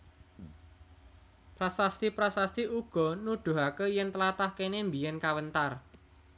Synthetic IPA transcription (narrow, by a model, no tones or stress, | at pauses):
pɾasast̪ipɾasast̪iʔuɡ̥ɔ̤nud̪̥ṳɦakəjɛnt̪əlat̪ahkenembijɛnkawənt̪ar